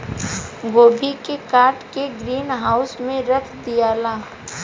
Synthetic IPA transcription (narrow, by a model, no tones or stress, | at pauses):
ɡoːbʱikekaːɾʈkeɡɾiːnɦaːʊsmẽɾəkʰd̪ijaːlaː